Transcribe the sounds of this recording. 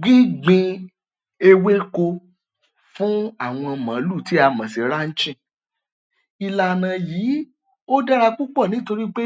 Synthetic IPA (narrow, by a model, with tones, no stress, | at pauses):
ɡ͡bi˦ɡ͡bĩ˧ | e˧we˦ko˧ | fũ˦a˦˨w̃ɔ̃˧mã˨˦lu˦˨ti˨˦a˧mã˨si˨ɾa˦n̩˦t͡ʃĩ˦˨ | i˧la˧˨nã˧jiː˨˦ | o˦da˦ɾa˧k͡pu˦k͡pɔ˦˨nĩ˨˦to˧ɾi˦k͡pe˦